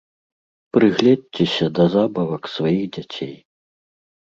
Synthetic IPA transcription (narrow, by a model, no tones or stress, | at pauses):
pɾɨɣlʲɛdʲt͡sʲɛsʲɐd̪ɐzabɐvɐksvajixd͡zʲat͡sʲej